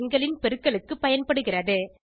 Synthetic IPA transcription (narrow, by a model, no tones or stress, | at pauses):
ŋɡɐɭɪnpɛɾɯkːɐɭɯkːɯpːɐjɐnpɐɽɯɣɪrɐðɯ